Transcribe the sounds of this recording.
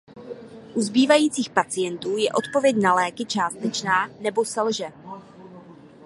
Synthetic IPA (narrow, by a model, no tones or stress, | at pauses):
ʔuzbiːvajiːt͡siːxpat͡sɪjɛnt̪uːjɛʔo̞t̪po̞vjɛcnalɛːkɪt͡ʃaːst̪ɛt͡ʃnaːnɛbo̞sɛlʒɛ